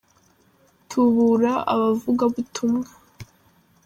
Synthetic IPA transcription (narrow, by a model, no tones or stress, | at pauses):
tʰuβuɾaʔa̰βavuɡaβutʰumŋa